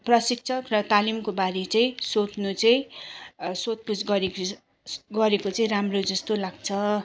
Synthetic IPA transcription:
prʌsik̚t͡sʰʌkrʌt̪alimkobaɾet͡saĩsot̪nut͡saĩ | sot̪̚put͡sɡʌɾek | ɡʌɾekot͡saĩramrod͡zʌst̪olaɡt͡sʰʌ

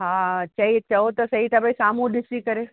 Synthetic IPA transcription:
ɦat͡ʃɐit͡ʃɐot̪osɐɦit̪ʰabʱaisamũd̪ɪsikəɾe

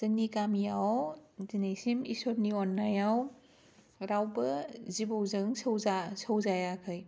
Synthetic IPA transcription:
z̥ɐŋnikamijawzinejsimisɔɾniɔnːajaw | ɾawbɐzibowzɯŋsɐwzasɐwzajakʰɯj

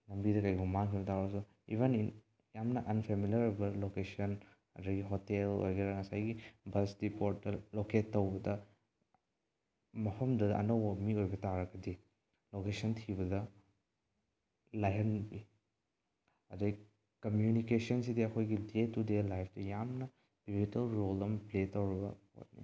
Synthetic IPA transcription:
lɐmbidɐkɐjɡumaŋkʰibɐtaɾsu | ibʱenin | jamnɐʔɐnpʰemiljɐɾojbɐlokesɐn | ɐ̰dɐɡiɦotelo̰jɡɐɾɐŋɐsajɡibɐsdipoɾt̚dɐloketːɐwbɐdɐ | mɐpʰɐmdɐdʔɐ̰nɐwɐmiojbɐtaɾɐɡɐdi | lokesɐntʰibɐdɐ | lajɦɐnbi | ɐdɐɡi | kɐmjunikesɐnsidiɐkʰojɡidetudelajpʰtɐjamnɐ | b̥ibitɐlɾolɐmpletɐwɾɐbɐ̰ | o̰t̚nḭ

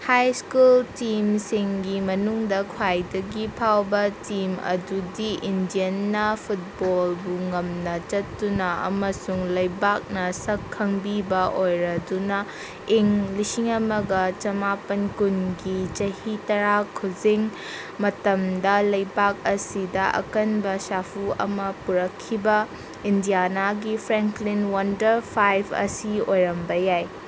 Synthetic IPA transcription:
hajskultimsiŋɡimɐnuŋdɐkʰwajdɐɡipʰawbɐtimɐ̰dudiʔindijɐnːɐpʰut̚bolbuŋɐmnɐt͡ʃɐtːunɐʔɐ̰mɐsuŋlɐjbak̚nɐsɐkʰːɐŋbibɐʔojɾɐdunɐ | eŋlisiŋɐmɐɡɐt͡ʃɐmapɐnkunɡit͡ʃɐhitɐɾakʰud͡ʒiŋ | mɐtɐmdɐlɐjbak̚ɐsidɐʔɐ̰kɐnbɐsapʰuɐ̰mɐpuɾɐkʰːibɐ | indijanaɡipʰɾeŋklinwɐndɐɾpʰajbɐ̰siojɾɐmbɐjaj

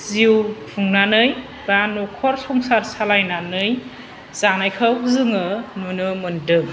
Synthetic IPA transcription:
ziwpʰuŋnanɯj | banɔkʰɔɾsɔŋsaɾsalajnanɯj | zanajkʰɯzɯŋɯnunɯmɯndɯŋ

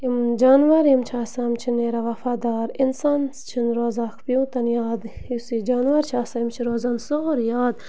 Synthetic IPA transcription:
imd͡ʒaːnʋɐɾjimt͡ʃʰaːsɐmt͡ʃʰineɾɐʋɐfaːd̪aːɾinsanst͡ʃʰinɾoːzaːkʰpiũt̪ɐnjaːd̪isid͡ʒaːnʋɐɾt͡ʃʰaːsɐjimt͡ʃʰiɾoːzansoɾjaːd̪

